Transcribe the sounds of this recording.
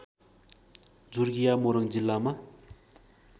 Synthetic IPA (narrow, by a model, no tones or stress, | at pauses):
d͡zurɡijamoɾaŋd͡ʑilːama